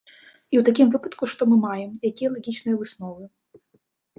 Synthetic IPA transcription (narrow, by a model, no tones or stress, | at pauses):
iwt̪akʲimvɨpɐt̪kuʂt̪ɔmɨmajɛmjakʲijɐlˠaɣʲit͡ʃnɨjɐvɨsnɔvɨ